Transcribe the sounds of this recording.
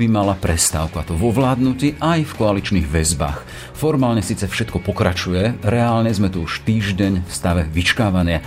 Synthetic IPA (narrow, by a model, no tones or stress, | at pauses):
bimalapɾɛst̪aːʊkuat̪ɔʋɔʋlaːd̪nuciːʔajfkɔalit͡ʃniɣʋɛzba̰ːx | fɔɾmaːlɲɛsiːt͡sɛfʃɛt̪̚kɔpɔkɾat͡ʃujɛɾɛaːlɲɛzmɛt̪uuʃt̪iːʒɟɛɲfst̪aʋɛʋit͡ʃkaːʋanɪa